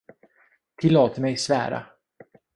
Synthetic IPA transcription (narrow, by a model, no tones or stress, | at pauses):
t̪ʰɪlːoːt̪mɛjsvæ̰ːɾa̰